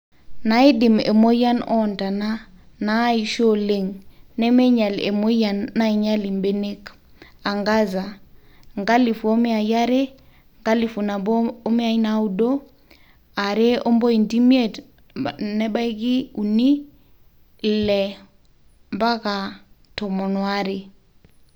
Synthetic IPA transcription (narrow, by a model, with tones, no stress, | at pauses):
na˨i˦di˨mḛ˨mo˦ja˦nɔ˦˨nta˨na˦ | na˨˦i˨ʃo˦le˦ŋnɛ˦mɛ˦ɲa˨lḛ˨mo˦ja˨nːa˦i˨ɲa˦li˨mbe˦ne˦k | a˨ŋɡa˦za˨ | ŋɡa˦li˨fu˨o˦mi˦a˨ja˦ɾe˦ | ŋɡa˦li˨fu˨na˨bo˦mi˦a˦i˦na˦u˦˨do˦ | a˨ɾe˦ɔ˦mbɔ˦i˨nti˦mje˦˨t | nɛ˦ba˦i˦ki˦u˨ni˦˨ | lɛ˨ | mba˦ka˨ | tɔ˨mɔ˨nwa˦ɾe˨